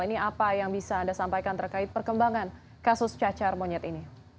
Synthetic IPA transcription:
liniapajaŋbisaːndasampajkant̪ərkaɪt̪̚pərkəmbaŋan | kasʊst͡ʃat͡ʃarmoɲɛt̪ini

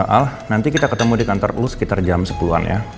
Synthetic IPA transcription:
ʔalhnant̪ikit̪akət̪əmudikant̪ɔrlusə̥kit̪ard͡ʒamsə̥puluɦa̰nja̰

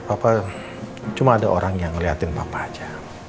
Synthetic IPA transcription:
papa | t͡ʃumaːdaʔoɾaŋjaŋəliɦat̪ɪnpapad͡ʒa

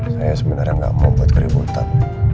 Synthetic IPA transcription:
sajasəmənaɾaŋɡa̰ʔmobət̪̚kəɾibunt̪an

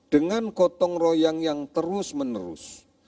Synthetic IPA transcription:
d̥əŋankɔt̪ɔŋrojaŋjaŋt̪əɾʊsmənəɾʊ̰s

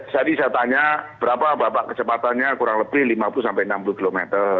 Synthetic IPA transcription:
sadisat̪aɲab̥əɾapabɾapaʔkət͡ʃəpat̪anɲakuɾaŋləbɪhlimapulusampajənampuluhkilomet̪ər

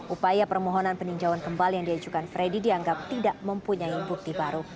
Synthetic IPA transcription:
ʔupajapərmɔɦɔnanpəniɲd͡ʒawankəmbalijaŋdiad͡ʒukanfɾedidiaŋɡap̚t̪idaʔməmpuɲaibuk̚t̪ibaɾu

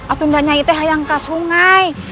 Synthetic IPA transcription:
ʔat̪undaɲait̪ɛɦajaŋkasuŋaj

